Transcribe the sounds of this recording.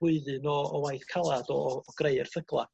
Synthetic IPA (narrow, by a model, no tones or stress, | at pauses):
ʊɨðɨnɔɔwajθkʰalˠadɔːɡ̥reɨrθəɡlˠa̰